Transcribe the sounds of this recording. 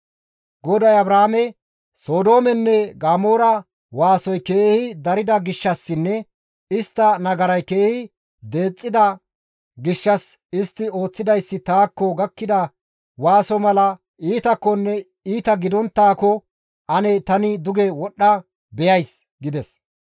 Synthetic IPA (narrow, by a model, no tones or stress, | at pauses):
ɡɔd̪ɐjɐbɾaːmɛ | so̞ːd̪o̞ːmɛnːɛɡaːmo̞ːɾɐ | waːsɔjke̞ːhɪd̪ɐɾɪd̪ɐɡɪʃːɐsːɪnːɛ | ɪst̪ːɐnɐɡɐɾɐjke̞ːhɪ | d̪e̞ːt͡sʼːɪd̪ɐ | ɡɪʃːɐs | ɪst̪ːɪo̞ːt͡sːɪd̪ɐjsːɪt̪aːkːɔɡɐkːɪd̪ɐ | waːsɔmɐlɐ | ʔiːt̪ɐkːɔnːɛ | iːt̪ɐɡɪd̪ɔnt̪ːaːkɔ | ʔɐnɛt̪ɐnɪd̪ʊɡɛwɔɗːɐ | bɛjɐjs | ɡɪd̪ɛs